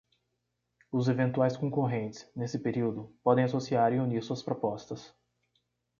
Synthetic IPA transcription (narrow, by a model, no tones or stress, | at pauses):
ʊzevẽnt̪uajskõkoɦẽnt͡ʃ̪ɪ̥znesɪpeɾiwd̪ʊpɔd̪ẽj̃asosiaɾɪuniɾsuɐspɾopɔst̪ɐs